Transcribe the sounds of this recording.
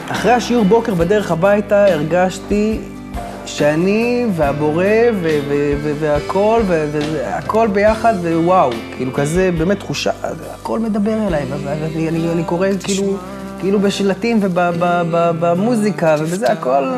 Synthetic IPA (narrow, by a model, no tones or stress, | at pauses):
aχʁehaʃiuʁbo̞ke̞ʁbede̞ʁeχhabajtaeʁɡaʃti | ʃeaniveabo̞ʁe̞veveveveakʰo̞lveveea̰kʰo̞lbe̞jaχad̪vewawkiilukazebeːmet̪ːχuʃa̰ | ako̞lme̞d̪abe̞ʁelajvvvevianianiko̞ʁekiiːlu | kiiːlubeʃlatimve̞babababamuzikave̞bezeako̞l